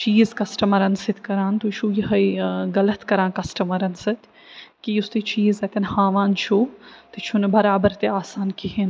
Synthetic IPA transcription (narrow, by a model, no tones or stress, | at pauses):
t͡ʃiːzkɐsʈɐmɐɾɐnsɪt̪ʰkɐɾãːnt̪oʃʰuːjɐɦɐiɡɐlɐt̪kɐɾãːnkɐsʈɐmɐɾɐnsɪt̪ | kiʊst̪eːt͡ʃiːzɐt̪ɐnhaːʋaːnt͡ʃʰut̪ɨt͡ʃʰunɨbɐɾaːbɐɾt̪eaːsaːnkiɦin